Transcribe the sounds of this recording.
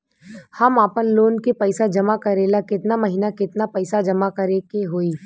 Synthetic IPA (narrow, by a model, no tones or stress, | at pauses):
hɐmaːpənloːnkepɐɪsad͡ʒɐmakɐɾeːlakɪt̪namɐɦiːnakɪt̪napɛɪsad͡ʒɐmakɐɾekeɦoːiː